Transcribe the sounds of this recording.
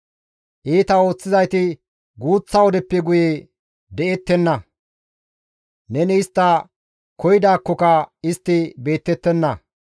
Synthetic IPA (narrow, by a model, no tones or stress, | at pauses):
ʔiːt̪ɐo̞ːt͡sːɪzɐjt̪ɪ | ɡuːt͡sːɐwɔd̪ɛpːɛɡʊje | d̪ɛʔɛt̪ːɛnːɐ | nɛnɪːst̪ːɐ | kɔjɪd̪aːkːɔkɐɪst̪ːɪbe̞ːt̪ːɛt̪ːɛnːɐ